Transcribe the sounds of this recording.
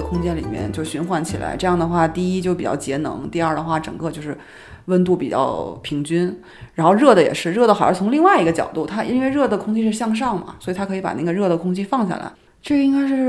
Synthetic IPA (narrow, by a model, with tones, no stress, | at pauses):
ə˩kʰʊ˥ŋt͡ɕjɛ˥nlḭ˨˩mjɛ̰˥˧nt͡ɕjo˥˧ʊ˩ɕy˧˥nxwa˧˥nt͡ɕʰi˨˩la̰˧˥ɪʈ͡ʂɤ˥˧jɑ˥˩ŋd̪ə˩xwa˥˧t̪i˥˩i˥t͡ɕjo˥˩pi˨˩t͡ɕjɑ̰˥˩ʊt͡ɕjɛ˧˥nɤ̰˧˥ŋt̪i˥˧ɐ˞˥˩d̪ə˩xwa˥˩ʈ͡ʂɤ̰˨˩ŋkɤ˥˧t͡ɕjo˥˧ʊʂɻ̩˥˩ | wə˥˧nt̪u˥˩pi˨˩t͡ɕjɑ̰˥˩ʊpʰi˧˥ŋt͡ɕy˥n | ɻa˧˥nxo˥˧ʊɻɤ˥˩d̪ə˩jɛ̰˨˩ʂɻ̩˥˧ɻɤ˥˩d̪ə˩xə˞˧˥t͡sʰʊ˧˥ŋli˥˧ŋwa˥˩ɪi˧˥ɡə˧t͡ɕjɑ˨˩ʊt̪u˥˩t̪ʰa˥ʔḭ˥nwe˥˧ɪɻɤ˥˩d̪ə˩kʰʊ˥ŋt͡ɕʰi˥ʂ̬ɻ̩˥˧ɕjɑ˥˧ŋʂ̬ɑ˥˩ŋmɐ̰˩swɔ˧˥˨t̪ʰa˥kʰɤ˧˥˧pa̰˨˩na˥˩ɡə˩ɻɤ˥˩d̪ə˩kʰʊ˥ŋt͡ɕʰi˥fɑ˥˧ŋɕja̰˥˩la̰˧˥ɪ | ʈ͡ʂɤ˥˩i˥ŋka˥ɪʂ̬ɻ̩˥˧